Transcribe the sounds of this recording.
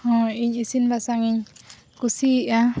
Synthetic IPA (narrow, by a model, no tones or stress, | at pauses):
hɔ̃iɲisinbasaŋiɲ | kusiʔã